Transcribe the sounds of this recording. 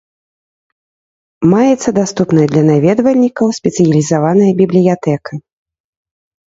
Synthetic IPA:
majɛt̪sːɐd̪ast̪upnɐjɐd̪lʲɐnavʲɛd̪vɐlʲnʲikɐwsʲpʲɛt̪sɨjɐlʲizavanɐjɐbʲiblʲijat̪ɛkɐ

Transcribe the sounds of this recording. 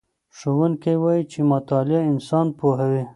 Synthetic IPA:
ʃowənkewɑjit͡ʃemat̪ɑlɪaɪnsɑnpoɦawi

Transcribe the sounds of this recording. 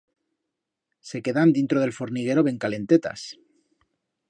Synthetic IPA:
se̞ke̞ðand̪int̪ɾoð̞e̞lfo̞ɾniɣ̞e̞ɾo̞βe̞ŋkale̞nt̪et̪a̰s

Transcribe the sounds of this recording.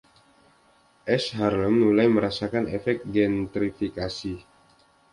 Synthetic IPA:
ʔɛsɦarləmnulajməɾasakanefɛk̚t̪̚ɡɛnt̪ɾifikasi

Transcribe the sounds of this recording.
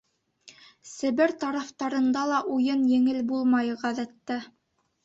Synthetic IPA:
sɘ̆βɘɾt̪ɑɾɑft̪ɑɾɤ̆nd̪ɑlˠɑʔujɤnjɘ̆ŋɘlbulˠmɑjɤ̆ʁæðæt̪ːæ

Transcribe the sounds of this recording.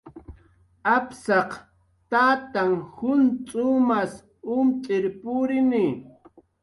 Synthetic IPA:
apsɑq | t̪aːt̪aŋhʊnt͡sʼʊmas | ʊmt͡sʼɪɾpʊɾɪnɪ

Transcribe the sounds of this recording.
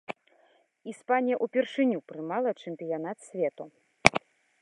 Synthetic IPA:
ispanʲijɐʔupʲɛrʂɨnʲupɾɨmalˠɐt͡ʂɛmʲpʲijan̪at̪sʲvʲɛt̪u

